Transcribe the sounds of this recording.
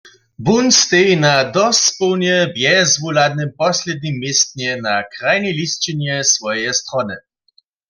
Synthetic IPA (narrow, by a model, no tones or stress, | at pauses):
bunst̪ejnad̪ɔspɔwnjɛbjɛzvulad̪̚nɪmpɔslʲɛd̪nimːjest̪̚nɛnakʁajnɛlist͡ʃɛnjɛsvɔjɛst̪rɔnɛ